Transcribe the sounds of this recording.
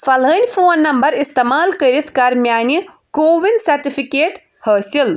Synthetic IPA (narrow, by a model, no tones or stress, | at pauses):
fʰɐləːnʲpʰoːnːɐmbɐɾist̪emaːlkəɾit̪ʰkaɾmjaːnjə | koːʋinsɐɾʈipʰikeːʈ | həːsil